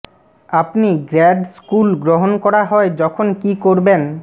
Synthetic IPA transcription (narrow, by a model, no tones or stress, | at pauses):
apniɡɾɛɖskulɡɾoɦonkɔɾaɦɔed͡ʑɔkʰonkikoɾben